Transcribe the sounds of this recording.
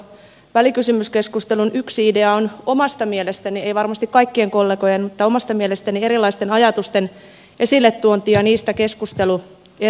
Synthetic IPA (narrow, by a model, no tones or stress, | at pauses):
ʋælikysymyske̞skust̪elunyksiide̞ɑono̞mɑst̪ɑmielest̪æniejʋɑrmɑst̪ikkɑikːieŋko̞lːeko̞jenmut̪ːɑomɑst̪ɑmielest̪ænie̞ɾilːˑɑist̪enɑjɑt̪ust̪en | ʔe̞silːet̪ːuont̪iɑniːst̪æke̞skust̪elu | e